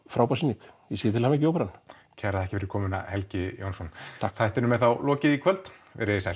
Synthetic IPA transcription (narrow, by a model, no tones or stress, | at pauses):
fɾaːwpasinikjɛsejɪt̪ʰɪlhamaɛhc̬ɪowpɛɾan | cʰɛɾaðɛhcɪfɪɾɪɾkʰɔːmʏna̰hɛlcɪjo̰wnsɔnʰaθajht̪ɛɾnʏmɛðθawlɔːcɪðikʰvœlt̪vɛ̰ɾsaj